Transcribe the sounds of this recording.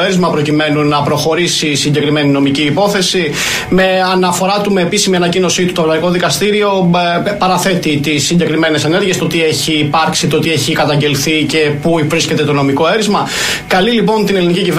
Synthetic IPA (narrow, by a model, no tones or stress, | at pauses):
e̞ɾizmɐpɾo̞cime̞nunɐpɾo̞xo̞ɾisisiɲɟe̞kɾime̞nino̞miciːpo̞θe̞si | me̞ɐnɐfo̞ɾɐt̪ume̞ːpisimiɐnɐcino̞sit̪u̥t̪oɐvlɐiko̞ðikɐst̪iɾio̞pɐɾɐθe̞t̪it̪isːiɲɟe̞kɾime̞ne̞sene̞ɾʝiest̪o̞t̪ieçiːpɐɾksit̪ot̪ieçikɐt̪ɐɲɟe̞lθice̞puivɾisce̞t̪e̞t̪o̞no̞miko̞e̞ɾizmɐ | kɐlilipo̞nt̪ine̞liniciciv